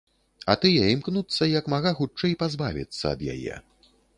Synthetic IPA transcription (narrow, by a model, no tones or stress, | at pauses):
ɐt̪ɨjɛimknut̪sːɐjɐkmaɣaxut͡ʂɛjpazbavʲḭt̪sːɐ̰ːd̪ja̰jɛ̰